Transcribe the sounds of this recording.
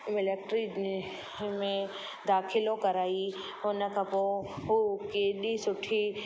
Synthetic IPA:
mɪlek̚ʈɾi | mẽ | d̪aːxʰɪlõkɐɾaːi | ʊnə̆kʰãpoɦukeːɗisʊʈʰi

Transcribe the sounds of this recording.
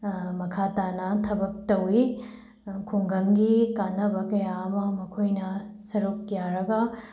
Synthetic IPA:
mɐkʰatanɐtʰɐbɐk̚tɐwi | kʰuŋɡɐŋɡikanɐbɐkɐjaɐmɐmɐkʰojnɐsɐɾukjaɾɐɡɐ

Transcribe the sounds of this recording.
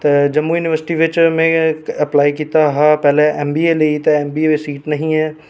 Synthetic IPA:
t̪ed͡ʒɐmːujunɪʋəɾsɪ̥ʈiʋɪt͡ʃmẽɐplaːikiːt̪aɦãpɛːleɛmbieleit̪eɛːmbiːeʋesiːʈnɐɦĩɦɛː

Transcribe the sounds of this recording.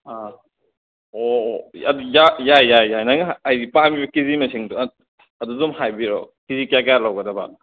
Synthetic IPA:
a | oɐ̰dujajajːajːajnaŋaajdipabibɐkizimɐsiŋdu | ɐdudumhajbiɾo̰kizikjak̬jalawɡɐdɐba̰

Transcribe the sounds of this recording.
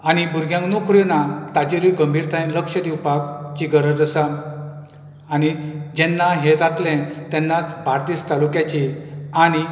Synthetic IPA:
añibuɾɡʱjãŋknokʰɾinat̪ad͡ʑiɾiɡəmbʱiɾt̪ʰaĩnləkʂəd̪iwpakt͡ɕiɡəɾəd͡zəsa | ñid͡ʑɛnːaɦẽd͡zat̪lẽnt̪ɛnːat͡sbʱaɾt̪iːst̪alukjat͡ɕiaɽ̃i

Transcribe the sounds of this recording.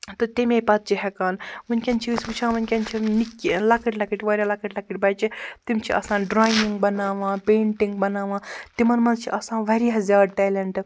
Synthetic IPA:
t̪ɨt̪imẽpɐt̪̚t͡ʃiɦɛkaːnunʲkʲɐnt͡ʃʰisput͡ʃʰãːʋunʲkʲɐnt͡ʃʰinikʲːilɐkɐʈʲlɐkiʈʲʋɐːɾʲalɐkɐʈʲlɐkiʈʲbɐjt͡ʃit̪imt͡ʃʰiʔɐ̰sãːɖɾaːjniŋɡ̚bɐnaːʋãːpeːɳʈiŋɡ̚bɐnaːʋãːt̪imɐnmɐnt͡ʃʰiʔɐsãːʋɐɾɦɐzaːɖʈɛlɐɳʈɨ

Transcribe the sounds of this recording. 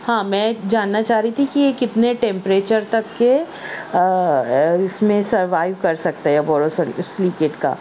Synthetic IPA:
hãːmɛ̃ːd͡ʒaːnːat͡ʃaːɦɾəit̪ʰikijekɪt̪neʈɛ̃ːmpɾeːt͡ʃəɾt̪ɐkːe | ɪsmẽsɐɾʋaːɪʋkɐɾsɐk̚t̪aɦɛɛbɔːɾossliːkeːʈka̰ː

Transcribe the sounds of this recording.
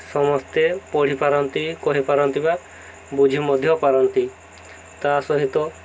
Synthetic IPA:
sɔmɔst̪epɔɽ̤ipaɾɔnt̪ikɔɦepaɾɔnt̪iba | bud͡ʒʱimɔd̪ʱjɔpaɾɔnt̪i | t̪asɔɦit̪ɔ

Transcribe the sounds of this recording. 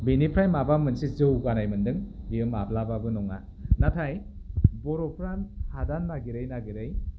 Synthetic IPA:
binipʰɾajmabamɯnsizɯwɡanajmɯndɯŋbiɯmablababɯnɔŋa | natʰaj | bɔɾɔpʰɾanhadanːaɡiɾɯjnaɡiɾɯj

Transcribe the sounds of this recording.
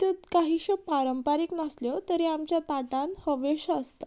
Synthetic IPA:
t̪et̪kaɦiɕəpaɾəmpaɾiːknasljot̪əɾiamt͡ɕjat̪aʈãnhəʋeɕəst̪a

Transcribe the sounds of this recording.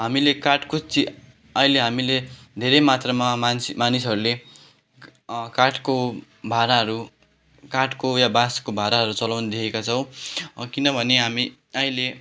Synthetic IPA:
ɦamilekaʈkot͡si | ʌileɦamile | d̪ʱeɾemat̪rʌmaansimanisʌɾule | kaʈko | bʱaɾaɦʌɾu | kaʈkojabaskobʱaɾaɦʌɾut͡sʌlʌwnʌd̪ekʰekat͡sʰʌ̃w̃kinʌbʱʌneɦami | ʌile

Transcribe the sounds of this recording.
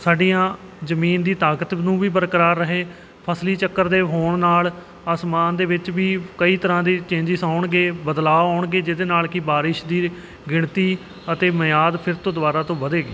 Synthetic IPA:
saːɖijãː | zəmiːnd̪iːt̪aːkət̪nũːʋiːp̬əɾəkəɾaːɾːəɦeː | pʰəsliːt͡ʃəkːəɾd̪eːɦoːɳnaːl | aːsmaːnd̪eːʋɪt͡ʃʋiːkəiːt̪əɾãːd̪iːt͡ʃẽːɲd͡ʒɪsaːʊɳɡeːbəd̪laːaːʊɳɡeːd͡ʒɪd̪eːnaːlkɪbaːɾɪʃd̪iː | ɡɪɳt̪iː | ət̪eːməjaːd̪pʰɪɾt̪õːd̪aːɾaːt̪õːʋəd̪eːɡiː

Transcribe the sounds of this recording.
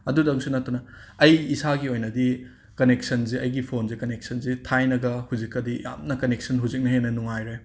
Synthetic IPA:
ɐdudɐŋsunɐtːunɐɐjisaɡiojnɐdi | kɐnek̚sɐnziɐjɡipʰonzikɐnek̚sɐnzitʰajnɐɡɐhuzikːɐdija̰mnɐkɐnek̚sɐnɦuzik̚nɐɦenːɐnuŋajɾe

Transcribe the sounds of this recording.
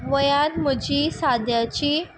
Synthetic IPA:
ʋəjad̪məd͡ʑiːsad̪jat͡ɕiː

